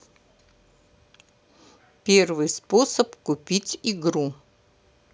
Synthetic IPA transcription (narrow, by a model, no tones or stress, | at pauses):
pʲervɨjsposəpkupʲitʲiɡɾu